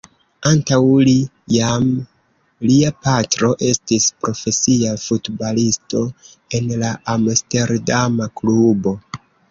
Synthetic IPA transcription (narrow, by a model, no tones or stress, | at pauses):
antawli | jam | liapatɾo̞ʔe̞stispɾo̞fe̞siafutbalisto̞ | e̞nlaʔamste̞ɾdamaklubo̞